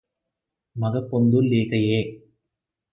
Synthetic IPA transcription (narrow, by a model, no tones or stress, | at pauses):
mɐɣɐpːɔnd̪ɯlːeːkɐjeː